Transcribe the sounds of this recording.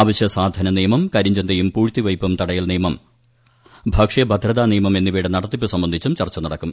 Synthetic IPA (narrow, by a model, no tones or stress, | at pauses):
aːʋɐɕjɐsaːd̪ʱɐnɐnijɐmɐmkɐɾiɲd͡ʑɐnd̪ɐjumpuːɻt̪ːiʋɐjpːɐmt̪ɐɽɐjilniːjɐmɐm | bʱɐkʂjɐbʱɐd̪ʱɾɐðaːnijɐmɐme̞nːiʋiːɽenɐɽɐt̪ːipːɨsɐmbɐnd̪ʱit͡ɕːumt͡ɕɐrt͡ɕːɐnɐɽɐkːum